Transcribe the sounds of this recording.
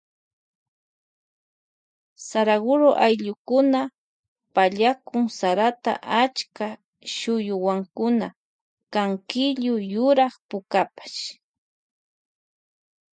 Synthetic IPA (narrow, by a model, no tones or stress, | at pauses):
saɾaɡʊɾoʔajʎʊkʊna | paʎakʊŋsaɾat̪a̰ʔat͡ʃka | ʃʊjʊwaŋkʊna | kaŋkɪʎʊjʊɾɑχpʊkapḁʃ